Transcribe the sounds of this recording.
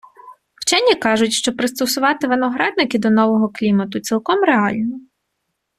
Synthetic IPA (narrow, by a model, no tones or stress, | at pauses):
wt͡ʃɛnʲːikɑʒʊtʲʃt͡ʃɔpɾɪst̪ɔsʊʋɑt̪ɪʋɪnɔɦɾɑd̪̚nɪkɪd̪ɔnɔʋɔɦɔklʲimɐt̪ʊt͡sʲsʲilˠkɔmɾeɑlʲnɔ